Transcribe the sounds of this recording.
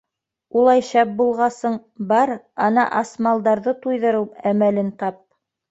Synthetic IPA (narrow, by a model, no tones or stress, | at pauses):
ulˠɑjʃɑp̚bulˠʁɑsɤɴbɑɾ | ɑnɑ̰ʔɑsmɑlˠd̪ɑɾðɤt̪ujðɤ̆ɾɤwæmælɘnt̪ɑp̚